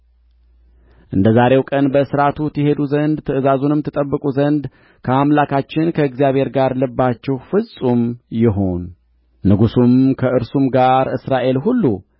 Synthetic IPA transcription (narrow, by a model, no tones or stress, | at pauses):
ʔɨnd̪əzaɾe̞wkʼənbəsɨɾat̪ʰut̪jɛɦe̞d̪uzənd̪t̪ʰɨʔɨzazunɨmt̪ʰɨt̪ʼəbːɨkʼuzənd̪ | kʰəamlakʰat͡ʃːɪnkʰəɨɡzjaβhe̞ɾɡaɾlɨbːat͡ʃːɛhfɨsʼumjɪɦo̞nː | ɨɡusumkʰəʔɨɾsumɡaɾɨsɾaʔe̞lɦulːu